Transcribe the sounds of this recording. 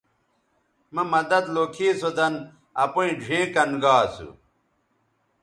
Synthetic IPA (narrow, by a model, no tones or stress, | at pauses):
mɐmɐd̪ɐd̪loːkʰiːsod̪ɐn | ɐpuĩɖʱẽːkɐnɡaːsṵ